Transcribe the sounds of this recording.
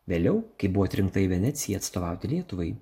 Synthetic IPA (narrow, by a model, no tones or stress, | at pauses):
ʋʲeːlʲɛʊkɐɪbuʋoːt̪ʲɾʲɪŋkt̪ɐɪʋʲɛnʲɛːt̪sʲɪjɛɐt̪st̪oːʋɑˑʊt̪ʲɪlʲiɛt̪ʊʋɐɪ